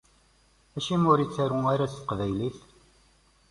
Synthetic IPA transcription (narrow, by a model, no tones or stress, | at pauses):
æʃimʊɾit͡sːæɾuaɾast̪ə̥qvæjliθ